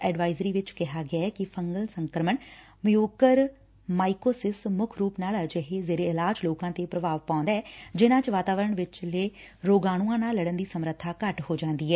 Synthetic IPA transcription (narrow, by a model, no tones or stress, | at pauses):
ɛːɖʋaːɪzɾiːʋɪt͡ʃkɪɦaːɡɪaːɛːkɪpʰəŋɡəlsəŋkɾəmən | mijoːkəɾ | maːikoːsɪsmʊkʰɾuːpnaːld͡ʒəɦeːzeːɾeːɪlaːd͡ʒloːkãːt̪eːpɾəʋaːʋpãːnd̪aːɛːd͡ʒɪnãːt͡ʃʋaːt̪aːʋəɾəɳʋɪt͡ʃleː | ɾoːɡaːɽ̃ũːãːnaːləɽənd̪iːsəmɾət̪ʰːaːkəʈhoːd͡ʒãːnd̪iːɦɛː